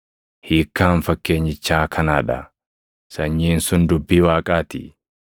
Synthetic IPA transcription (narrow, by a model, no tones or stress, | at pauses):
hiːkːaːnfɐkːeːɲːɪt͡ʃːaːkʰɐnaːᶑɐ̰ | sɐɲːiːnsʊnd̪ʊbːiːwaːkʼaːt̪ḭ